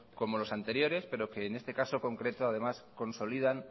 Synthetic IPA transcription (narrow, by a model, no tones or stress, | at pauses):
ko̞mo̞lo̞sant̪e̞ɾjo̞ɾe̞spe̞ɾo̞ke̞ːne̞st̪e̞kaso̞ko̞ŋkɾe̞t̪o̞að̞e̞masko̞nso̞liðan